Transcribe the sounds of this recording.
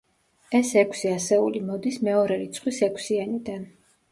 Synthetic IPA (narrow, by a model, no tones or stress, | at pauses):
ɛsɛkʰsiasɛulimɔd̪ismɛɔɾɛɾit̪sʰχʼwisɛkʷʰsianid̪an